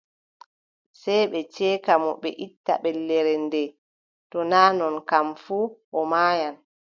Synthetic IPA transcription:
sɛjɓɛt͡ʃɛːkamɔ̰ɓɛ̰ʔitːa̰ɓɛlːɛɾɛndɛ | tɔnaːnɔnkamfuːʔɔmaːjan

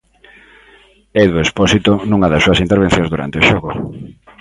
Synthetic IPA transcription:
eðuespɔsit̪onũŋɐðɐsːuɐsint̪eɾβ̞ẽn̟θjõŋzðuɾa̰nt̪eoʃɔɣʊ

